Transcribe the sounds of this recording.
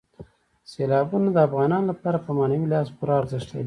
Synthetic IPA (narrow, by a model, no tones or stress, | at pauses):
selɑbunad̪əafɣɑnɑnlapɑɾapəmɑnawilɑspuɾɑːɾzəʂt̪ə̰li